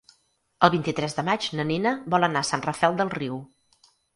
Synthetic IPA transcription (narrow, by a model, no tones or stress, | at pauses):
əlˠβint̪it̪ɾɛzðəmad͡ʒnəninəβɔlˠənasanrəfɛlˠd̪əlˠriw